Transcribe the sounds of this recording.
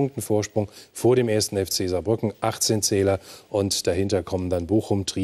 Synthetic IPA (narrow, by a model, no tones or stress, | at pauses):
ʊŋktn̩foːɐʃpʁ̥ʊŋfoːɐɾeːmeːɐstn̩ɛft͡seːzabʁʏkŋ̩ʔaχt͡seːnt͡sɛːlɐʔʊntd̥aɦɪntɐkʰɔməndanboːxʊmtʁ̥iː